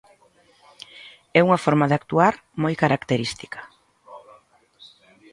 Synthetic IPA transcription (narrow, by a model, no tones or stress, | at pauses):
ɛuŋafɔɾmaðɪak̚t̪uaɾ | mojkaɾakt̪eɾist̪i̥kḁ